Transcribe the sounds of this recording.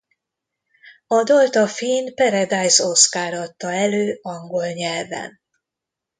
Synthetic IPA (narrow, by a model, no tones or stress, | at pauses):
ɒd̪olt̪ɒfiːnpɛɾɛd̪aːjsoskaːɾɒt̪ːɒɛløːɒŋɡo̞lɲɛlvɛ̰n